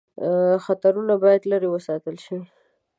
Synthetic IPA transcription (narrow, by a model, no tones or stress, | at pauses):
xat̪aɾunabɑjad̪laɾewəsɑt̪əlʃiwi